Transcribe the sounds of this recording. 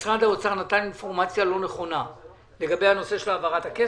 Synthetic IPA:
sʁad̪aot͡saʁnat̪aninfo̞ʁmat͡sjalo̞ne̞χo̞na | le̞ɡabe̞jhano̞se̞ʃe̞lavaʁatake

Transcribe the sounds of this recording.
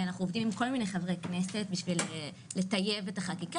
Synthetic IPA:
anaχnuovdimko̞lminejχavʁekne̞se̞t̚biʃvile | le̞taje̞vetaχakika

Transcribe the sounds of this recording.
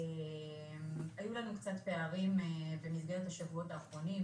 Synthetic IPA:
emajulanukt͡sat̪pe̞aʁimevemizɡe̞etaʃavuo̞taːχʁo̞nim

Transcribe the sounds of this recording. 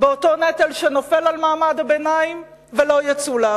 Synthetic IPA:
beoto̞net̪elʃeno̞fe̞lalmaːmadabenaim | velo̞jat͡sula

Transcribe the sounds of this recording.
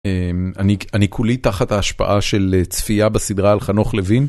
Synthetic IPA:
emanianikʰulitaχathaːʃpa̰ʔaʃe̞let͡sfijabasidʁaːlχanoχlevin

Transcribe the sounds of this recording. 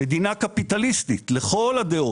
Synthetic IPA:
ed̪inakapit̪alist̪it̪le̞χo̞lad̪eo

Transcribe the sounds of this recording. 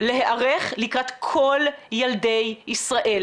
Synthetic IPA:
le̞ɦeʔaʁeχlikʁat̪kʰoljaldejisʁaʔe̞l

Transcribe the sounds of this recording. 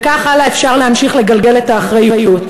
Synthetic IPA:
kaχalaefʃaʁleɦamʃiχle̞ɡalɡe̞letaːχʁajujut

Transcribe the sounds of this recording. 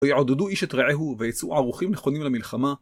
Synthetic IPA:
jeʕod̪eduiʃet̪ʁeʕeɦuvejet͡sṵʕaʁuχimneχo̞nimlamilχama

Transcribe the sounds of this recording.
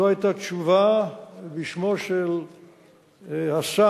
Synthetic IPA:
oajt̪at̪t͡ʃuvabiʃmoʃel | hasa

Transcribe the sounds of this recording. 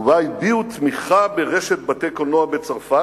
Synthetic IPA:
vajbiut̪miχabeʁeʃet̪̚bat̪ejkonoabet͡saʁfa

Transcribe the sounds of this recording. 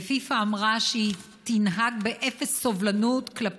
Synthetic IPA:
fifaːmʁaʃeit̪inɦaɡ̚be̞ʔefe̞sːovlanutklap

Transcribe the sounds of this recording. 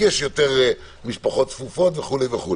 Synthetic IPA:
jɛʃjot̪eʁ | miʃpaχot̪fufot̪veχulejveχu

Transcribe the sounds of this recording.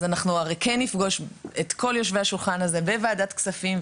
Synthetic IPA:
zanaχnuaʁekenːifɡo̞ʃetkʰo̞ljo̞ʃvehaʃulχanaze̞beveːdatksafim

